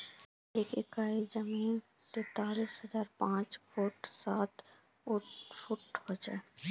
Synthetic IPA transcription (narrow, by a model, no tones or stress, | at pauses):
eːkɪkaːid͡ʒəmiːn | t̪eːt̪aːliːsɦəd͡ʒaːɾpãːt͡ʃkoʈsaːt̪ | ʊʈfʊʈɦoːd͡ʒae